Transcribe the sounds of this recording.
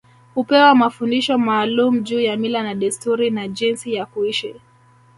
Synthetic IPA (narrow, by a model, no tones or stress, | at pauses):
hupɛwamafundiʃɔmaːlumuʄuːjamilanaɗɛstuɾinaʄinsijakuiʃi